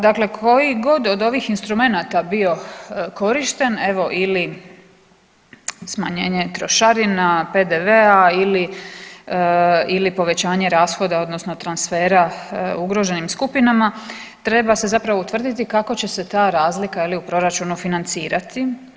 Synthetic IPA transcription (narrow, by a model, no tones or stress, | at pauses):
d̪akle̞kʰo̞jiɡo̞d̪o̞d̪o̞ʋiːxinst̪ɾume̞nat̪abio̞ko̞ɾiʃt̪e̞ne̞ʋo̞ʔili | smaɲe̞ːɲe̞t̪ɾo̞ʃaɾinape̞d̪eʋeaili | ilipo̞ʋe̞t͡ɕaːɲe̞ɾaːsxo̞d̪ao̞d̪no̞sno̞t̪ɾansfe̞ːɾauɡɾo̞ʒe̞nimskupinama | t̪ɾe̞base̞zapɾaʋout̪ʋr̩d̪it̪ikako̞t͡ɕe̞se̞t̪aːɾaːzlikailiupɾo̞ɾat͡ʃunufinant̪siːɾat̪i